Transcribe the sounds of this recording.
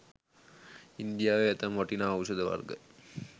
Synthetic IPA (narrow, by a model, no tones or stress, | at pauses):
ind̪ijaːʋeɛt̪ɐmʋɐʈːinaːʋusɐd̪ɐʋɐ̰rɡə̰